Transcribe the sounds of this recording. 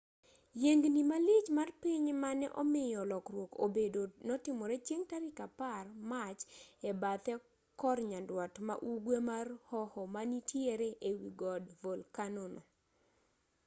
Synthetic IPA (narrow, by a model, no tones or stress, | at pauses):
jeŋɡnimalit͡ʃmarpiɲmanɛʔɔmɪjɔlɔkɾwoko̰bedonɔtɪmɔɾɛt͡ʃjeŋtaɾɪkaparmat͡ʃɛbat̪ɛ | kɔrɲandwatma̰ʔuɡwemarhɔhɔmanitʰjeɾeʔewiɡɔdvolkanonɔ